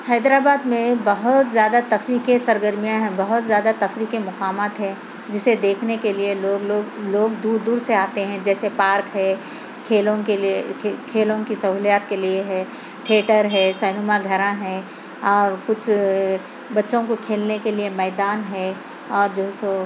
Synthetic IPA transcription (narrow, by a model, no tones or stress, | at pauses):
hɛːd̪ɾaːbaːd̪mẽbɐɦʊt̪zjaːd̪at̪ɐfɾiːkesɐɾɡəɾmijãɦɛ̃bɐɦʊt̪zjaːd̪at̪ɐfɾiːkemʊqaːmaːt̪ɦɛ̃ | d͡ʒɪsːed̪eːkʰnekelieloːɡloːɡloːɡd̪uːɾd̪uːɾseaːt̪eɦɛ̃d͡ʒɛːsepaːɾkɦɛː | kʰeːlõkekʰeːlõkisɐɦuːlijaːt̪kelieɦɛː | ʈʰeːʈəɾɦɛːsɛːnumãɡʱɐɾãɦɛ̃ː | ɔːɾkʊt͡ʃʰ | bɐtːʃõkokʰeːlnekeliemɛːd̪aːnɦɛ | ɔːɾd͡ʒoːso